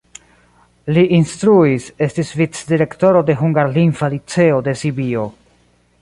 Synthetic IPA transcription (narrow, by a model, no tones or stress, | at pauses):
liʔinstɾuise̞stisvit͡sdiɾe̞kto̞ɾo̞de̞ɦuŋɡaɾlinfalit͡se̞ode̞sibio̞